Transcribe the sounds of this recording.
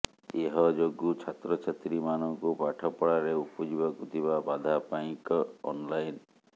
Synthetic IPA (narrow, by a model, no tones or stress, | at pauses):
eɦɔd͡ʒoɡut͡ʃʰat̪ɾɔt͡ʃʰat̪ɾimanɔŋkupaʈʰɔpɔɽaɾeupɔd͡ʒibakut̪ʰiβabad̪ʱapaj̃kɔ̰nlajn